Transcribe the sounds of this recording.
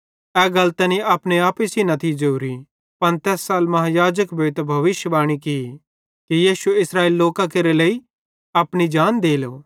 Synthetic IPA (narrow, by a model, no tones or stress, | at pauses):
ɛːɡɐlt̪ɛniaːpɽ̃eaːpisinɐt̪ʰid͡ʒɐuɾi | pɐnt̪ɛːsːaːlmɐɦãjaːd͡ʒəkbʱeɪt̪bʱɐʋɪʃjəbaːɽ̃ikɪi | kijiːsuɪsɾaːeːlːoːkakeɾeləi | ɐpɽ̃id͡ʒaːnd̪eːloː